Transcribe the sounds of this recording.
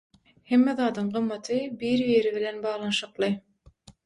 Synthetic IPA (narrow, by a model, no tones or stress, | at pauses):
hemːeðɑːd̪ɯɴɢɯmːɑt̪ʰɯbiːɾvieɾiβilenbɑːʁlˠɑnʃɯqlˠɯ